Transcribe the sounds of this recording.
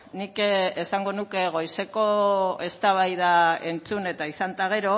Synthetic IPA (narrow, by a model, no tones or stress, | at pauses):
nikesaŋɡo̞nuke̞ɣ̞o̞jse̞ko̞e̞st̪aβ̞ajðae̞nt͡sune̞t̪aisant̪aɣ̞e̞ɾo̞